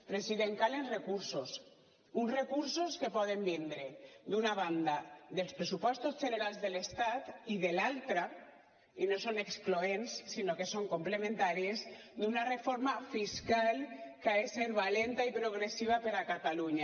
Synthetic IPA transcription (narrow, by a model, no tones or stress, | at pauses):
pɾesiðeŋkalenrekuɾsos | unzrekuɾsoskepɔðembind̪ɾed̪unaβand̪aðelˠspɾesupɔst̪ozʒeneɾalˠzðelest̪at̪iðelalˠt̪ɾa | inosonekskloensːinokesoŋkomplemẽnt̪aɾiez | d̪unarefoɾmafiskalkaeseɾβalent̪aipɾoɣ̞ɾesiβ̞apeɾakat̪aluɲa